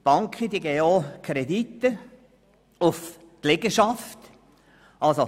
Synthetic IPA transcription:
b̥ɑŋkʰχəd̪iɡɛːokʰɾɛd̪it̪ːə | ʊf | klɪɡəʃɑft̪ | ɑlso

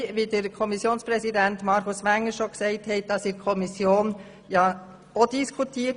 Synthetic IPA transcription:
ʋidəɾkʰɔmisjoːnspɾɛsidɛntmɑɾkʊsʋæŋːəɾʃoksɛɪthɛt̚d̥ɑsikʰɔmisjoːn | jɑː | odiskʰutʰiː

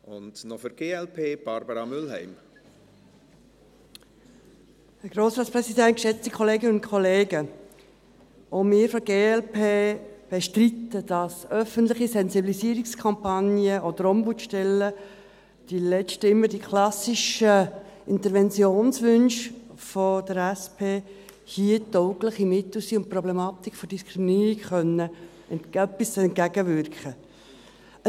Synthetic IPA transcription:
ʊndnɔfəɾɡ̥eːɛlpʰeːb̥ɑɾbəɾɑmʏlɦɛ̰ɪm | hæɾɡ̥roːsɾɑːtt͡sprɛsidɛnt̚kʃɛt͡stikʰɔleːɡənəʊntkʰɔleːɡə | ʔomɪːɾfɔɾɡeːɛlpʰeːb̥ɛʃtritːəd̥ɑsœfəntlɪχisɛnzibilisiːəɾikskʰɑmpɑnjəʔod̪əɾɔmbutʃtɛlːə | d̥ilɛt͡ʃtəɪmːəɾd̥ikʰlɑsiʃəʔɪnt̪əɾvɛnt͡sjoːnsʋʏnʃfod̥əɾæspʰeː | hiətɔʊkləχimɪt̪l̩siʊnt̚prɔblɛmɑːt̪ikfɔd̥iskʰɾiminiːɾikχœnːə | ɛntɡ̥æbisɛnt̚kæɡəvʏɾkχə

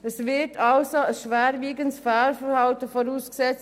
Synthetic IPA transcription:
əsvɪtʰɑlsoəsʃʋæːɾviːɡənsfaːlfəɾhɑltəfɔɾuːsksɛt͡s

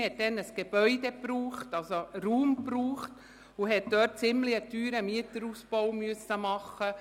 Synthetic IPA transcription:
hɛt̚d̥ɛnəsɡ̥eb̥œʏdepruːχtɑlsoɾuːmpruːχt | uɦɛt̚d̥œːt̚t͡sɪmliətyːɾəmiətəɾuspɔwmyəsːəmɑχːə

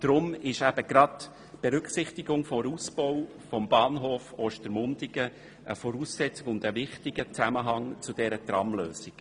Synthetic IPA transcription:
d̥ɾʊmɪʃæb̥əɡ̥ɾɑt | b̥ɛɾʏksɪχtɪɡʊŋfɔɾusb̥ɔw | fɔmbɑːnɦoːfɔːʃtəɾmʊndɪɡə | ʔəfɔɾuːsːɛt͡sɪkʊnd̪əvɪχtɪɡ̥ət͡sæməɦɑŋt͡sʊd̥ɛɾətɾɑmlø̰ːsik

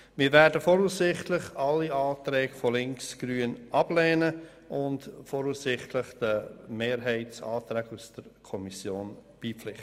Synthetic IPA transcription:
mɪːɾvæːɾdəfɔɾusɪχtlɪχɑlːiɑːtɾɛːɡfɔlɪŋksɡ̥ɾyːənʔɑb̥lɛːnə | ʔʊntfɔɾuːssɪχtlɪχd̥əmeːɾɦɛɪtsɑ̰ːtɾɛːɡusd̥əɾkʰɔmisjoːnb̥iːpflɪχt

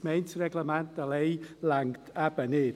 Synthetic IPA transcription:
mejntʰrɛɡləmandalejlaŋtʰabənɪː

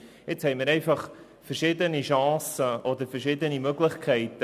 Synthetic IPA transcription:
ɪt͡shɛɪmɪːɾɛɪfɑχ | fəɾʃɪd̪əniʃɑ̃ːsəʔɔd̪əɾfəɾʃɪd̪ənimøɡlɪχkʰɛɪt̪ə

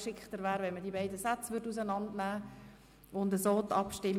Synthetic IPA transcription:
ʃɪkχtəɾvæːɾʋɛnmədiːbɛɪdəsat͡sʋʏɾdus̬ənɑndnæː | ʊndəsoːt̪ɑpʃtɪm

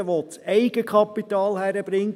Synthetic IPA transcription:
əʋot͡sɛɪɡəkʰχɑpːitɑːlhæɾəb̥ɾɪŋ

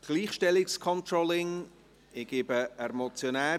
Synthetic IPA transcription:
ɡ̥liːχʃtɛlɪkskʰɔnt̪ɾɔlɪŋ | ɪɡ̥ɪːbəɛmɔt͡sjonɛː

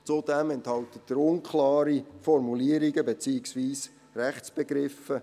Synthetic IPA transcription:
t͡sud̥̪ɛmɛnthɑlt̪ətd̥əɾʊnkʰlɑːɾifɔɾmuliːəɾiɡəbet͡siːɪksviːs | rɛχt͡sb̥eɡɾɪfə

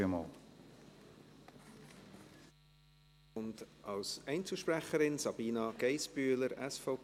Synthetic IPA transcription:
əmɔ̰ːl | ʊndʔɑlsɛɪnt͡səʃpræχəɾɪnsɑb̥iːnɑɡ̥ɛɪsbyːləɾɛsfoʊp

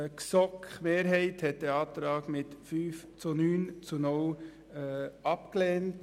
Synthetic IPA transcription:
ksɔkχmeːɾɦɛɪthɛt̚dɛɑːtɾɑːɡmɪtfyːf | t͡sunyːnt͡sunʊlː | ɑpklɛːnt

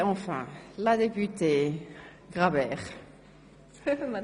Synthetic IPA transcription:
ɑ̃fɛ̰̃lad̪epyt̪e | ɡʁabɛːʁ

